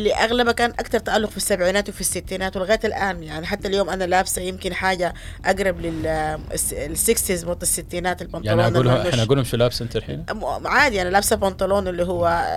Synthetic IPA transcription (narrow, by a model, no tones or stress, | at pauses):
lːiʔaɣlabakaːnʔakt̪ɑɾˤt̪aʔalːʊɣfisːabʕiːnaːt̪wfisːɪt̪ːiːnaːt̪wɪlɣaːt̪alʔaːnjaʕniħat̪ːaljoːmʔanalaːbsajɪmkɪnħaːɟaʔaɡɾˤɑblɪl | sɪksizmʊt̪ˤːɪsːɪt̪ːiːnaːt̪ɪlbɑntɑlːnːlʔɡuːlhʊmʃulaːbsɪnt̪ɪɾħḭnmaʕaːd̪jaʕnilaːbsabɑnt̪ˤɑloːnʔɪlːiɦʊwːa